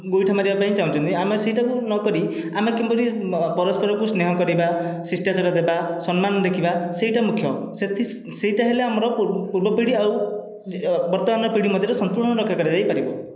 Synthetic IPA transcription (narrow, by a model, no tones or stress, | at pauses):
ɡojʈʰamaɾibapaĩt͡ʃaũt͡ʃʰɔnt̪iameseɦiʈakunɔkɔɾi | amekimbɔɾipɔɾɔspʰɔɾɔkusneɦɔkɔɾibasisʈat͡ʃɔɽad̪ebasɔnmanɔd̪ekʰibasejʈamukʰjɔ | set̪ʰi | seiʈaɦeleamɔɾɔppuɾbɔpiɽiaw | bɔɾt̪ɔmanɔpiɽimɔd̪ʱjɔɾesɔnt̪uɾɽ̃ɔɾɔkʰːjakɔɾid͡ʒajpaɾibɔ